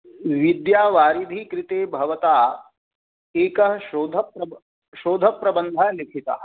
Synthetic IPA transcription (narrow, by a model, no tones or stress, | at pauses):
ʋid̪jaːʋaːɾid̪ʱikɾit̪eːbʱɐʋɐt̪aː | eːkɐɦɐʃoːd̪ʱɐpɾɐ | ʃoːd̪ʱɐpːɾɐbɐnd̪ʱaːlikʰit̪a̰ː